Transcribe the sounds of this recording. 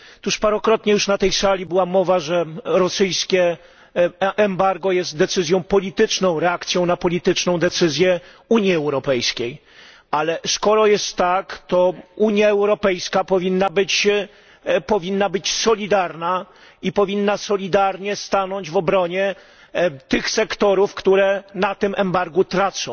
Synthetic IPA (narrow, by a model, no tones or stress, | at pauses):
t̪uʂpaɾɔkɾɔt̪ɲɛjuʂnat̪ɛjsalʲibɘwamɔvaʐɛɾɔsɘjskʲɛ | ʔːmbaɾɡɔjɛst̪̚d̪ɛt̪sɘzʲjɔ̃w̃pɔlʲit̪ɘt͡ʂnɔ̃w̃ɾɛakt̪sʲjɔ̃w̃napɔlʲit̪ɘt͡ʂnɔ̃w̃d̪ɛt̪sɘzʲjɛ | uɲjiɛwɾɔpɛjskʲej | alɛskɔɾɔjɛst̪ːakt̪ɔuɲjaɛwɾɔpɛjskapɔvʲinːabɘt͡ɕ | pɔvʲinːabɘt͡ɕsɔlʲid̪aɾna | ipɔvʲinːasɔlʲid̪aɾɲɛst̪anɔɲd͡ʑvɔbɾɔɲɛ | t̪ɘxsɛkt̪ɔɾufkt̪uɾɛnat̪ɘmʔɛmbaɾɡut̪ɾat̪sɔ̃w̃